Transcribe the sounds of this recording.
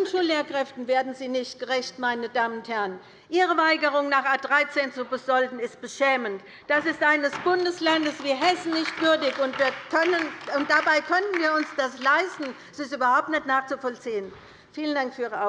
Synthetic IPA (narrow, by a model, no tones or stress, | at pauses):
ʊnʃuːlːeːɐkʁ̥ɛftn̩veːɐdn̩ziːnɪçt̚ɡ̥əʁɛçtmaɪnədaːmənʊnthɛɐn | ʔiːʁəvaɪɡəʁ̞ʊŋnaːχaːd̥ʁaɪt͡seːnt͡subɪsz̥ɔldn̩ɪst̚b̥əʃɛːmənt | d̥asɪstʔaɪnəsb̥ʊndəslandəsv̥iːɦɛsn̩nɪçtv̥ʏɐdɪçʊntv̥iːɐkʰœnənʊnt̚d̥abaɪkʰœnən̩viːɐʊnsd̥aslaɪstn̩ɛsɪstyːbɐhaʊp̚tnɛtnaːχt͡sufɔlt͡siːən | fiːləndaŋkfyːɐʔiːʁəa